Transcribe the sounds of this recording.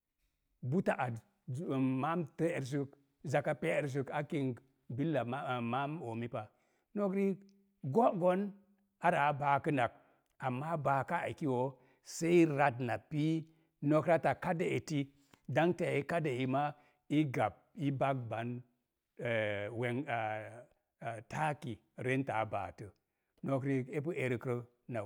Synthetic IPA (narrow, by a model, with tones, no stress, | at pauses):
bu˦ta˨ʔa˨d | ma˦mte˦˨ɾs̬u˦k | za˨ka˦pe˦˨ɾs̬u˨ka˦ki˦ŋɡ | bi˦lːa˨˦˨ma˦mo˨mi˦pa˨ | no˦kɾi˦ | ɡo˦ɡo˦n | a˦ɾa˨˦ba˨kə˦na˨k̚ | a˨mːa˦ba˨ka˦a̰˨i˨ki˦wo˨ | se˦i˦ɾa˦dna˨pi˦ | no˦kɾa˦ta˨ka˦de˨e˨ti˦ | da˦ŋte˦˨i˦ka˦de˨i˨ma˦ | i˦ɡa˨p̚i˦ba˦k̚ba˨˦n˨ | we˨ŋ˨ | ta˦ki˨ | ɾe˦nta̰˨˦ba̰˨tə˨ | no˦kɾi˧e˦p̬ə˦ʔe˨ɾkɾə˦ | na˨